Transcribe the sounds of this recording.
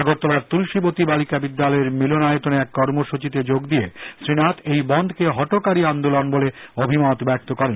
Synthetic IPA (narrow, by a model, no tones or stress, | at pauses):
aɡot̪ːɔlaɾt̪ulʃibot̪ibalikabid̪ːalɔeɾmilonajot̪oneɛkːɔɾmoʃut͡ɕit̪ed͡ʑoɡd̪iesɾinat̪ejbɔnd̪ʱkeɦɔʈokaɾiand̪olonboleobʱimat̪bɛk̚t̪okɔɾen